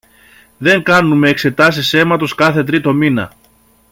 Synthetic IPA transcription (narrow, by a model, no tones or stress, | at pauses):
ðe̞ŋkɐnume̞ːkse̞t̪ɐsise̞mɐt̪o̞skɐθe̞t̪̬ɾit̪o̞minɐ̰